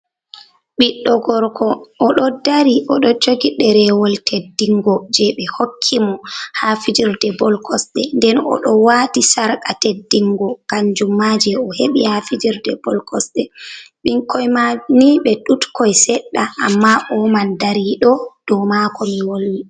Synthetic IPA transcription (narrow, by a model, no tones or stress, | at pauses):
ɓiɗːɔɡɔɾkʰɔʔːɗɔdaɾiɔɗɔd͡ʒoɡiɗɛɾɛwɔltʰedːiŋɡɔd͡ʒɛɓɛhokʰːimɔhafid͡ʒiɾdɛbɔlkʰɔsɗɛndɛnɔ̰ɗɔwatisaɾkatedːiŋɡɔkaɲd͡ʒumːad͡ʒɛɔheɓihafid͡ʒiɾdɛbɔlkʰɔsɗɛɓiŋkʰɔjmaniɓɛɗutkɔjsɛɗːaʔːmːaʔɔmandaɾiɗɔd̥ɔmakɔmiwolːi